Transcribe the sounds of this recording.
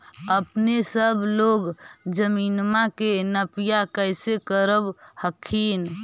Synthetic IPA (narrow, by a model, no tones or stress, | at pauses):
əpnesəbʱloɡd͡ʒəminmakenəpijakəjsekəɾəbhəkʰːin